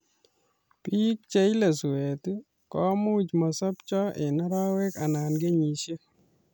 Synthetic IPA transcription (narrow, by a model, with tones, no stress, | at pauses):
pi˦k̚t͡ʃe˦jle˨su˨e˨t̪u˦ | kɔ˦mu˦t͡ʃmɔ˨sɔ˦pt͡ʃɔ˦ʔe˨nɔ˦ɾɔ˦we˦ka˨na˨nɡe˦ɲi˨ʃe˦